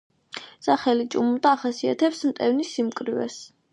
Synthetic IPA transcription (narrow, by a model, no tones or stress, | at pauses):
saχɛlit͡ʃʼumud̪aːχasia̰t̪ʰɛpsmt̪ʼɛvnisːimkʼɾivɛ̰s